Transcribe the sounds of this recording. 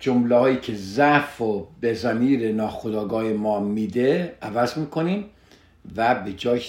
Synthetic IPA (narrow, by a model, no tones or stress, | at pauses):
d͡ʒomlehɒːjiːcʰe̞zæfobezæmiːɾenɒːxod̪ɒːɡɒːhemɒːmiːd̪eævæzmiːkʰo̞niːm | væbe̞d͡ʒɒː